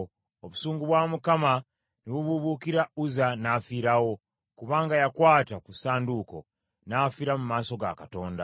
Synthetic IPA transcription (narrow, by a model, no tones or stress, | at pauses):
oβusuːŋɡuβwamukama | niβuβuβukiɾauzanafiɾawo̞ | kuβaːŋɡajakwaːtakusaːnduko̞̰ | nafiɾamumaːso̞ɡa̰kato̞ːnda